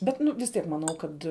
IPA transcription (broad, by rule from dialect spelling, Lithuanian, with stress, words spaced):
ˈbʲɛt ˈnʊ ʋʲɪs ˈtʲiɛk mɐˈnɐʊ ˈkɐt